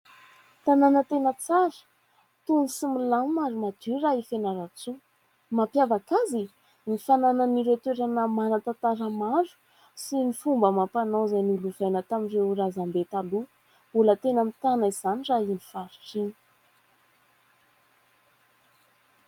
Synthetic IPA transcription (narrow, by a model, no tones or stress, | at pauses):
t̪ananət̪enət͡saɾə̥ | t̪unisimilanmaɾumad̪̥uɾaifenaɾat͡su | mapjavakazi | nifanananiɾet̪weɾanəmanat̪at̪aɾəmaɾu̥ | sinifumbəmapanozajnuluvajnət̪aminreɾazambet̪alu | bulət̪enəmit̪anaiz̥aniʈ͡ʂainifaɾiʈ͡ʂini̥